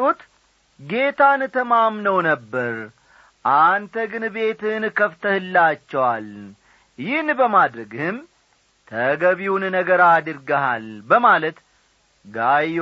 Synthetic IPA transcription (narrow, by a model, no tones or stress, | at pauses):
ut̪ | ɡe̞t̪ʰant̪ʰəmamnəwnəbːəɾ | ʔant̪ʰəɡɨnbe̞t̪ɨnkʰəft̪ʰəhɨlːat͡ʃːɛwal | jɪhnbəmad̪ɾəɡhɨm | t̪ʰəɡəβiwunnəɡəɾad̪ɨɾɡəɦalbəmalət̪ | ɡaj